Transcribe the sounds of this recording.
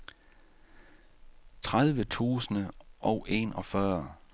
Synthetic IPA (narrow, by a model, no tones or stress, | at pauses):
t͡sʰʁað̞ˠʋət͡sʰṵːsənəʔɒʊʔe̝̰nɒ̽fɶːɐ